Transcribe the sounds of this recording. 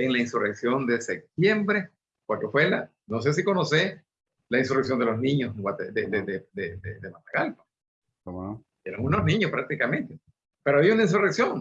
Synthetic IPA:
eŋlainsureksjo̞nd̪esek̚t̪jembɾe | kwalkefwela̰ | nos̬e̞s̬iko̞nose | lainsureksjo̞nd̪elosnĩɲoeŋwat̪ed̪ed̪ed̪ed̪ed̪ed̪emat̪aɣalko̥ | komono | eɾaŋunoznĩɲospɾak̚t̪ikamẽnt̪e | peɾoaβiaunaĩns̬ureksjoŋ

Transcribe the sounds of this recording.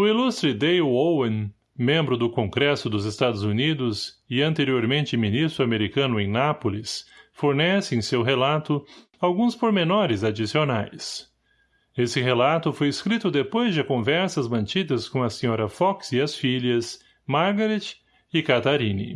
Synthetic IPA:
ʊilust̪ɾɪd̪ejowẽn | mẽmbɾʊd̪ʊkõɡɾɛsʊd̪ʊzɪst̪ad̪ʊzunid̪ʊzɪɐ̃nt̪eɾioɾmẽnt͡ʃɪminist̪ɾʊameɾikɐ̃nʊẽj̃napʊlɪsfoɾnɛsɪẽsewɦelat̪ʊ | awɡũspoɾmenɔɾɪzad͡ʒisionajs | esɪɦelat̪ʊfojeskɾit̪ʊd̪epojzd͡ʒɪkõvɛɾsɐzmɐ̃nt͡ʃid̪ɐskõɐsẽɲɔɾɐfɔksɪɐsfiʎɐs | maɾɡaɾet͡ʃ | ɪkat̪aɾĩnḭ

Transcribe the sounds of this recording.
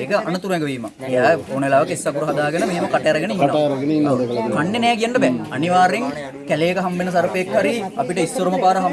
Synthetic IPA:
eːkəʔanət̪uɾunekəʋiːma̰ | ejaːonʋelaːʋɐkəisːɐkuɾuɦɐd̪aːɡenəmeɦeməkaʈɐjɐɾɐɡeneinɐɐjɐɾɐɡɐniɐklkanːenɛːkijanɖəbɛɐniʋaːɾeŋ | kælejekəɦambenəs̬aɾupeekːɦaɾiapiʈəisːoɾuməpaːɾəɦa

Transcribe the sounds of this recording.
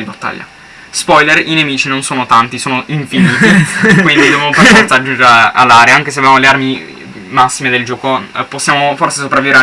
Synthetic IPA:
d̪ibat̪ːa̰ʎːa̰ | spɔjlerinemiːt͡ʃinonsoːnot̪ant̪isoːnoʔiɱfiniːt̪ikwind̪id̪evamoperfɔrt̪saːd͡ʒːund͡ʒa̰lːaɾeaaŋkes̬evjamolearmi | masːimed̪eld͡ʒɔːkoposːjaːmoforsesopɾaviveɾ

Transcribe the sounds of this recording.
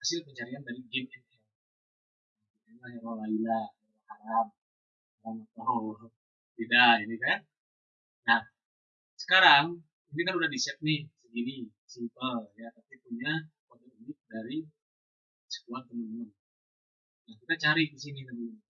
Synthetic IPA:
masilkəɲt͡ʃaɾiandaɾiɡɪmɛnɛl | mɛahjaɾolailahalahaɾam̚ | aɾamat̪a | t̪idainikan | nah | sə̥kaɾaŋ | inikanudahdisɛt̪̚nɪhsənini | simpəljat̪apipuɲakat̪ukɡɪt̪̚daɾi | sə̥kuant̪əmənt̪əmən | nahkit̪at͡ʃaɾikisiŋilabi

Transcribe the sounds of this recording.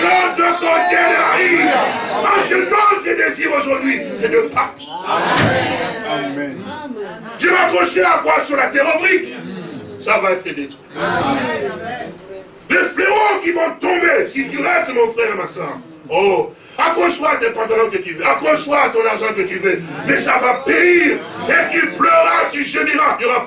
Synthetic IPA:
nɔt̪atɔ̃t̪ed̪aʁipaʁsə̥kənɔt̪χəd̪eziʁoʒuʁd̪ɥisɛd̪øpaʁt̪i̥ | ʒevakɔʃeakwasyʁlat̪eʁobʁik | savaɛt̪χəd̪et̪wi | lefleokivɔ̃t̪ɔ̃mesit̪yʁɛst̪mɔ̃fχɛʁemasœːʁ | o | akɔ̃ʃwat̪ɛ̃pɑ̃t̪̬alɔ̃kət̪yvøakʁɔ̃ʃwat̪ɔ̃naʁʒɑ̃kət̪yvømɛsavapeiʁ | et̪yplœʁat̪yʒəniʁaʁa

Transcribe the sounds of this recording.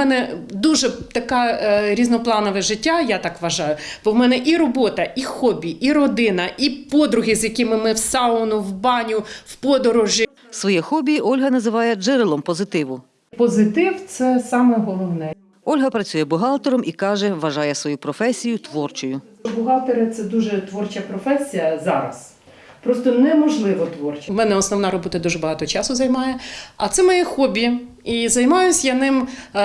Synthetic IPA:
ɛnɛd̪uʒɛt̪ɐkɑɾʲiznɔplˠɑnɔʋɛʒɪtʲːajat̪ɑkʋɐʒɑjʊb̥ɔwmɛnɛʔiɾɔbɔt̪ɐʔixɔbʲiiɾɔd̪ɪnɐʔipɔd̪ɾʊɦʲizʲjɐkɪmɪmɪwsɑlnʊwbɑnʲʊwpɔd̪ɔɾɔʒʲi | sʋɔjɛxɔbʲiʔɔlʲɦɐnɐzɪʋɑjɛd͡ʒɪɾɪlˠɔmpɔzɪt̪ɪʋʊ | pɔzɪt̪ɪwt̪sɛsɑmɛɦɔlˠɔwnɛ | ɔlʲɦɐpɾɐt͡sʲujɛbʊɦɑlˠt̪eɾɔmʔikɑʒɛʋɐʒɑjɛsʋɔjupɾɔfɛsʲijʊt̪ʋɔrt͡ʃʊjʊ | bʊɦɑlˠt̪eɾɪt̪sɛd̪uʒɛt̪ʋɔrt͡ʃɐpɾɔfɛsʲijɐzɑɾɐ̰s | pɾɔst̪ɔnɛmɔʒlˠɪʋɔt̪ʋɔrt͡ʃɐmɛnɛɔsnɔʋnɑɾɔbɔt̪ɐd̪uʒɛbɐɦɑt̪ɔt͡ʃɑsʊzɐjmɑjɛɐt̪sɛmɔjɛxɔbʲiizɐjmɑjʊsʲjɐnɪm

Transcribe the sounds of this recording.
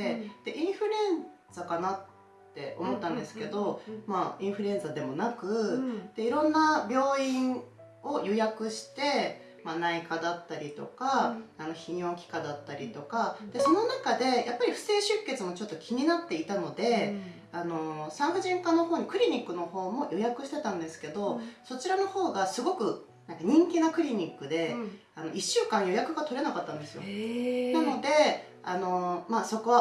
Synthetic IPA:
ed̪̥e̞ʔĩɰ̃ɸɯ̟ɾẽ̞n | d͡zakanat̪ː | e̞̰ʔo̞̰mo̞t̪ːãnd̪e̞sɨ̥ke̞d̪o̞maĩɰ̃ɸɯ̟ɾẽ̞nzad̪e̞mo̞nakɯ̟d̪̥e̞iɾõ̞nːabʲjo̞ːĩɰ̃ | o̞jojakɯ̟ɕi̥t̪e̞ | manaikad̪at̪ːaɾʲit̪o̞kaano̞çĩjõ̞ŋkʲi̥kad̪at̪ːaɾʲit̪o̞kad̪̥e̞so̞no̞nakad̪e̞jʔapːaɾʲiɸɯ̟̥se̞ːɕɨkːe̞t͡sɨmo̞t͡ɕo̞t̪ːo̞kʲʰiɲ̟inat̪ːe̞it̪ano̞d̪e̞ | ano̞sãɰ̃ɸɯ̟ʑĩŋkanːohoːɲ̟ikɯ̟ɾʲiɲ̟ikːɯ̟no̞ho̞ːmo̞jo̞jakɯ̟ɕi̥t̪e̞t̪ãnd̪e̞sɨ̥ke̞d̪o̞so̞t͡ɕiɾano̞ho̞ːɡasɨɡo̞kɯ̟ | nãŋkaɲ̟ĩŋkʲinakɯ̟ɾʲiɲ̟ikːɯ̟d̪e̞ | ano̞̰ʔiɕːɨːkãɰ̃jo̞jakɯ̟ɡat̪o̞ɾe̞nakat̪ːãnd̪e̞sɨjo̞̰nano̞d̪e̞ | ano̞maːso̞ko

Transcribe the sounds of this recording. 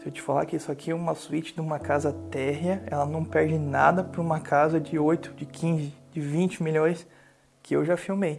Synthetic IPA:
sɪewt͡ʃɪ̥fala̰kɪisʊakʰiɛũmɐsuit͡ʃɪ̥d̪ɪũmɐkazɐt̪ɛɦjɐɛlɐnɐ̃w̃pɛɾd͡ʒɪna̰d̪ɐpɾɐũmɐkʰazɐd͡ʒɪojt̪ʊ̥d͡ʒɪkʰĩzɪd͡ʒɪvĩnt͡ʃɪmiʎõj̃s | kʰɪewʒafiwmej

